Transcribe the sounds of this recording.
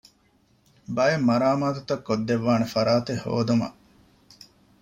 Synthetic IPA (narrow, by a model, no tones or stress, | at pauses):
bɐjemːɐɾaːmaːt̪ut̪ɐkːod̪ːeʋːaːnefɐɾaːt̪eho̰ːd̪umɐ̰ʔ